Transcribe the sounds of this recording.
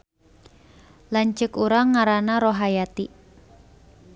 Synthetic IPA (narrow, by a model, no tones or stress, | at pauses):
lant͡ʃəkuɾaŋːaɾanaɾoɦajat̪i